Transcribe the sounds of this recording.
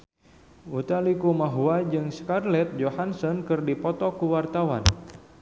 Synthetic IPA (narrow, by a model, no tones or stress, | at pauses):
ut̪alikumaɦuad͡ʒɨŋskarlɛt̪̚d͡ʒohansɔnkɨrdipɔt̪ɔkuwart̪awan